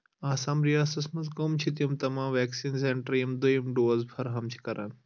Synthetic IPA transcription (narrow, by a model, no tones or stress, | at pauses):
aːsãːmɾijaːsɐsmɐsɡomt͡ʃʰit̪ijɐmt̪ɐmãːmʋɛːksiːnseɳʈɾijɐmd̪ojimɖoːzpʰɐɾɦɐmt͡ʃʰi̥kɐɾʔa̰ːn